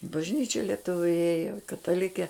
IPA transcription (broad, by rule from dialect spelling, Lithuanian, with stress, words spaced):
ɪ bɐʒʲˈnʲiːt͡ʃʲɛ lʲiɛˈtʊʋʲʊ ˈeːjoː kɐtɐˈlʲɪkʲeː